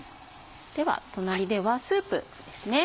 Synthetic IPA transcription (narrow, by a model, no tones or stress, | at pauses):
sɨ̥ | d̪̥e̞βa̰t̪o̞naɾʲid̪e̞βasɨːpɯ̰d̪̥e̞sɨne̞